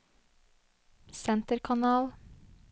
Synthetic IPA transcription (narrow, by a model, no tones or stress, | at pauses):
sɛnt̪əɾkʰɑnɑːl